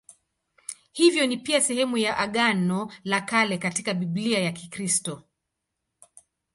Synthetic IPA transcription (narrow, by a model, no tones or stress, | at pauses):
hivjɔnipiasɛhɛmujaʔaɠanɔlakalɛkatikaɓiɓliajakikɾistɔ